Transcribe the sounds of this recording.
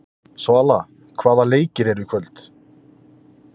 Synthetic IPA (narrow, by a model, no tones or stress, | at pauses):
soala | kʰvaːðaleːjcɪɾɛɾʏkʰvœlt̪